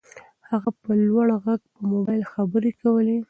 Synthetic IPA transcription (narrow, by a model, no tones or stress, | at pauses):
haɣapəlwaɽɣaɡpəmobajlxabəɾekawəle